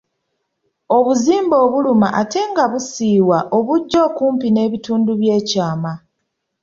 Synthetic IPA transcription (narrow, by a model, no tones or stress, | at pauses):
o̞βuziːmbo̞ːβulumaʔate̞ŋɡaβusiːwaʔoβuɟːo̞ːkuːmpine̞ːβituːnduβje̞ːcaːma